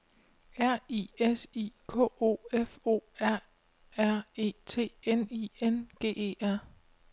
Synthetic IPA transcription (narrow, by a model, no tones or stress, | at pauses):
æɐ̰ḭesḭkʰɔ̰ːo̝̰ːefo̝̰ːæɐ̰ | æɐ̰e̝̰ːt͡sʰe̝̰ːenienɡ̥e̝̰ːe̝̰ːæɐ̰